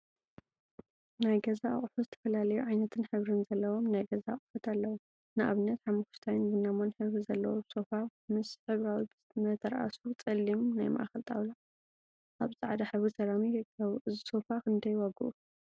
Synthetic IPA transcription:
najɡɐzaχʼfuzɨt̪ʰɐ̥fɐlalɐjuʕajnɐt̪ʰɨnħɨβɾɨnzɐlːɐwo̞mnajɡɐzaχʼfɐt̪ʰalːɐwu | nɨʔa̰βɨnːɐt̪ħamːukʃt̪ʰajnbɨnamonħɨβɾizɐlːɐwosofamɨsħɨβɾawi | mɐt̪ʰɐɾʔa̰sut͡sʼɨlːimnajma̰ʔaxɐlt̪ʼa̰wla | ʔaβzʼaʕd̪aħɨβɾisɐɾamiɨkʰːɐβuʔɨziso̞fakɨnd̪ɐjwaɡʔu

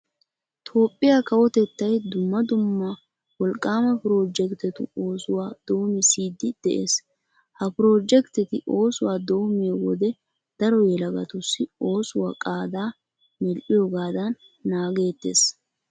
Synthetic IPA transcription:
t̪ʰo̞ːpʼːɪjakɐwɔt̪ɛt̪ːɐjd̪ʊmːɐd̪ʊmːɐ | wɔlkʼːaːmɐpɾo̞ːd͡ʒɛkt̪ɛt̪ʊ̰o̞ːsʊwaːd̪̥o̞ːmɪsiːd̪ːɪd̪̥ɛʔḛːs | hɐpɪɾo̞ːd͡ʒɛkt̪ɛt̪ɪʔo̞ːsʊwaːd̪o̞ːmeːwɔd̪ɛ | d̪̥ɐɾɔjɛlɐɡɐ̰t̪ʊsːɪo̞ːsʊwa̰kʼaːd̪aː | mɛlʔɪjɔɡaːd̪ɐnː | aːɡe̞ːt̪ːḛːs

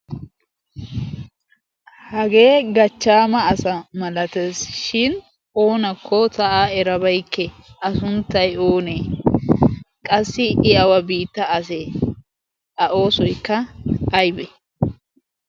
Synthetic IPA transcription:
hɐɡe̞ːɡɐt͡ʃːaːmɐːsɐmɐlɐt̪esʃɪn | ʔoːnɐkʰːɔtɐʔaːɛɾɐbɐjkːɛ | ɐsʊnt̪ːɐjoːneː | kʼɐsːɪɪʔɐwɐbiːt̪ːɐːse | ɐʔo̞ːsɔjkːɐːjbɛ

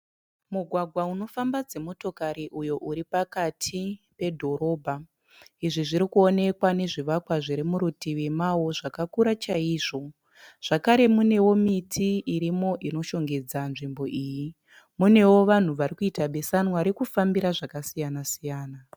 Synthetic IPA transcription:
muɡʱwaɡʱwauno̞fambad͡ze̞mo̞to̞kaɾiʔujo̞ʔuɾipakatʰipe̞dʱo̞ɾo̞ːbʱa | iʐiʐiɾikuo̞ne̞kwane̞ʐiʋakwaʐiɾemuɾutiʋimawo̞ʐakakuɾat͡ʃaiːʐo̞ | ʐ̥akaɾe̞mune̞wo̞mitʰiiɾimo̞ʔino̞ʃo̞ŋɡe̞d͡zanʐimbo̞ʔiːji | mune̞wo̞ʋan̤uʋaɾikuitaɓe̞sanwaɾekufambiɾaʐakasijanasijaːna

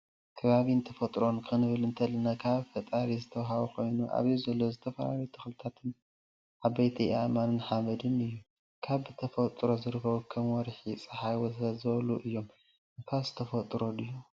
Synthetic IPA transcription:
kʰɐβaβint̪ʰɐfɐt̪ʼɾo̞nkʰɨnɨβɨlɨnt̪ʰɐlɐnakʰaβfɐt̪ʼaɾizɨt̪ʰɐwɦaβukʰo̞jnuʔa̰βjizɐlːo̞zɨt̪ʰɐfɐla̰ɾut̪ʰɨxlɨt̪ʰat̪ʰɨn | ʕaβɐjt̪ʰiamanɨnħamɐd̪ɨnɨjːu | kʰaβɨt̪ʰɐfɐt̪ʼɾo̞zɨɾɨkʰɐβukʰɐmwɔɾħisʼɨħajwɔɐzɨβɐluʔɨjːo̞m | ʔɨnk̪ʰazɨt̪ʰɐfɐt̪ʼɾo̞lɨjːu

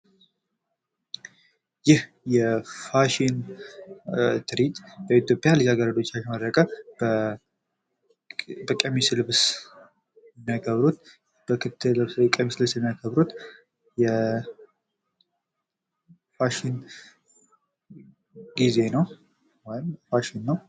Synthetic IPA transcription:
jɪh | jɛfaʃin | t̪ʰɨɾit̪ʼbəit̪jo̞pʼjalid͡ʒaɡəɾəd̪o̞t͡ʃːat͡ʃməd̪ɾəkʼəbə | bəkʼemislɨβs | ɛmːjakʰəβɾut̪̚ | b̥əkʰɨt̪ʰːɨlɨβskʼemislɨsjɛmːijakʰəβɾut̪ | jɛ | faʃin | ɡize̞nəw | wɔjɪmfaʃinːəw

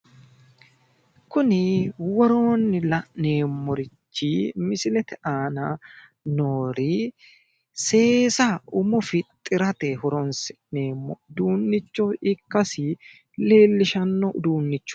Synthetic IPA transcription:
kʊnɪwɔɾo̞ːnːɪlɐne̞ːmːɔɾɪt͡ʃːimɪsɪlɛt̪ɛʔaːnɐ | noːɾi | se̞ːsɐʊmɔfɪt̪ʼːɪɾɐt̪ɛhɔɾɔnsɛ̥ | neːmːɔ̰d̪uːnːɪt͡ʃːɔɪkːɐsɪ | le̞ːlːɪʃɐnːɔʔd̪uːnːɪt͡ʃːɔ̥

